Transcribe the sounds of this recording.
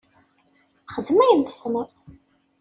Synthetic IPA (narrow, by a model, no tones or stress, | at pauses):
χəðmæjənt̪ə̥sməɾθ